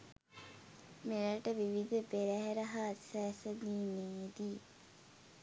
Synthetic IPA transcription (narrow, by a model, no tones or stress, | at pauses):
meləʈəʋiʋid̪əpeɾæɦeɾɐɦasæːsɐd̪iːneid̪i